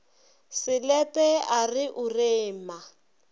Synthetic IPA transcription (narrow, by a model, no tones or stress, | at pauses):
sɪlɛpʼɛarɪʔʊreːma